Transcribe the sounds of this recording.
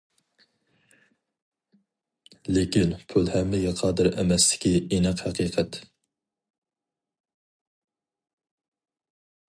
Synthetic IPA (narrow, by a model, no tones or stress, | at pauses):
lekʲinpʰylhɛmːɪɡʲɛqʰɑːd̪ɨɾɛmɛst̪ɪ̥kʲiinæqhæqʰiːqʰɛt̪